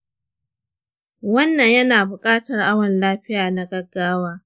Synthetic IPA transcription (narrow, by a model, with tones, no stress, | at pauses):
wɐ˦nːɐ˨ɲjɐ˦naː˨bʊ˨kʼaː˦tɐ˨rʔa˦wɐ˨nlaː˦ɸɪ˦jaː˨na˦ɡɐ˦ɡːaː˦waː˦